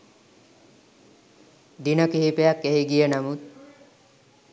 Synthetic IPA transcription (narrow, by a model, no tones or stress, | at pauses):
d̪inəkiɦipejakːeɦiɡijenamut̪̚